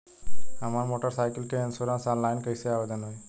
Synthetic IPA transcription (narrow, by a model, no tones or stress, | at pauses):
əmaɾmoːʈəɾsajkəlkeənsoɾãnsãnlajnkəjseaːʋed̪ənɦoj